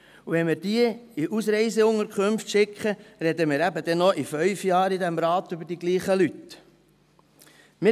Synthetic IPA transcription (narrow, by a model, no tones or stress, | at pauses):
uʋɛnmɪːɾd̥iəiʔusɾɛɪzɛʊŋəɾkʰχømftʃɪkχəɾɛd̪əmɪːɾæbəd̪ɛnɔʔifœʏfjɑːɾid̪æmɾɑːt̪ʏbəɾd̥iɡliːχəlyt̪ | mɪ